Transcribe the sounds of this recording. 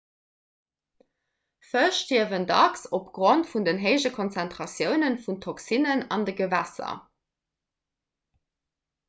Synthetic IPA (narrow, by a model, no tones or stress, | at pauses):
fəʃtiəvəndɑksopɡ̥ʁontfundənɦeɪʒəkʰonsæntχɑsjəʊnənfuntʰoksinənɑndəɡəvæsɐ̰